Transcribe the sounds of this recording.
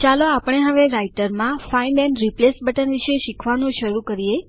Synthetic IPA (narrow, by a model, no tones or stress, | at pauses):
t͡ʃaloapəɽ̃eɦəʋeɾaiʈəɾmãfainɖɛnɾiplesbəʈənʋiʃeʃikʰʋanũʃəɾukəɾije